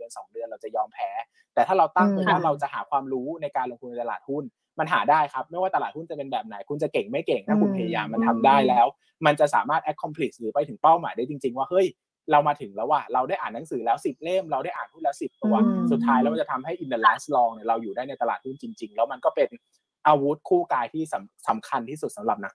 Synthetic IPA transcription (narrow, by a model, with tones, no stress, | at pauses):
ənsɔː˩˦ŋdɯ˧ənɾa˧wt͡ɕa˨˩jɔː˧mpʰɛː˦˥ | t̪ɛː˨˩aː˥˩ɾa˧wt̪a˥˩ŋɤː˧˩waː˥˩ɾa˧wt͡ɕa˨˩ʔhaː˩˦kʰwaː˧mɾuː˦˥na˧jkaː˧nlo˧ŋt̪ʰnːa˧jt̪a˧laː˨˩t̪̚hu˥˩n | ma˧nɦa̰ː˩˦daː˥˩jkʰa˦˥p̚ma˥˩jwaː˥˩t̪a˧aː˨˩hu˥˩nt͡ɕa˨˩pe˧nbɛː˨˩p̚na̰˩˦jkʰu˧nt͡ɕa˨˩ke˨˩ŋma˥˩jke˨˩ŋt̪ʰaː˥˩ku˨˥˦npʰa˧ja˧ja̰ː˧mːa˧nt̪ʰa˧mdaː˥˩jlɛː˦˥w | ma˧nt͡ɕa˨˩ʔsaː˩˦maː˥˩t̪̚ʔɛ˦˥kʰːɔ˧mpʰli˨˩k̚sɾɯː˩˦pa˧jt̪ʰɯ˩˦ŋpa˥˩wma̰ː˨˦jdaː˥˩t͡ɕi˧ŋt͡ɕi˧ŋwaː˥˩hɤ˦˥˩j | ɾa˧wmaː˧t̪ʰɯ˩˦ŋlɛː˦˥waː˥˩ɾa˧wdaː˥˩jʔaː˨˩nːa˨˦ŋsɯː˩˦lɛː˦˥wsi˨˩p̚le˥˩mɾa˧waː˥˩jʔaː˨˩nhu˥˩lɛː˦˥wsi˨˩p̪̚ːʰɛ˨˧˩waː˥˩su˨˩t̪ʰːaː˦˥jlɛː˧˦˥wa˧˩t͡ɕa˨˩t̪ʰa˧mɦa˥˩jʔi˧nd̪ɤː˧laː˦˥nslɔː˧ŋni˧˩ɾa˧wjuː˨˩daː˥˩jna˧jt̪a˧la̰ː˨˩t̪̚hu˥˩nt͡ɕi˧ŋt͡ɕi˧ŋlɛː˦˥wma˧nkɔː˥˩pe˧n | ʔaː˧wu˦˥t̪̚kʰuː˥˩kaː˧jt̪ʰiː˥˩sa˩˦msa˨˩˦mkʰa˧nt̪ʰiː˥˩su˨˩t̪̚sa˩˦mɾa˨˩p̚na˨˦˥k̚